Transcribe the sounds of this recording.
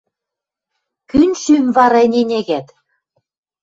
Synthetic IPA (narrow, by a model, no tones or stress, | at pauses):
kynʲʃymvɑɾɑenʲenʲeɣæt̪